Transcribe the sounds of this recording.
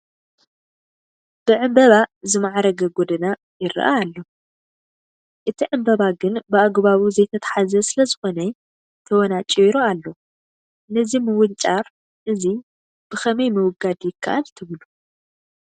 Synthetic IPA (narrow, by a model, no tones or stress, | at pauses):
b̥ɨʕɨmbɐβazɨmaʕaɾɐɡɐɡod̪ɐna | jɪɾɨ̰ʔa̰ːlːo̞ | ʔɨt̪ʰiʕɨmbɐβaɡɨnbɨaɡβaβuzɐjt̪ʰɐt̪ʰḁħazɐsɨlɐzɨxo̞nɐ | t̪ʰɐwɔnat͡ʃʼiɾoalːo̞ | nɐzimɨwʊlt͡ʃʼaɾ | ʔɨzi | b̥ɨxɐmɐjmɨwʊɡad̪jɪkʰːa̰ʔalt̪ʰɨβlu